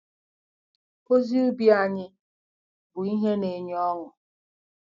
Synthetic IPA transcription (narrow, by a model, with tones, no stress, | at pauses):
o˦zi˦u˦bi˦a˨ɲɪ˦ | bʊ˨i˦ɦe˦ne˨ɲ˦ɔ˦ŋʊ˨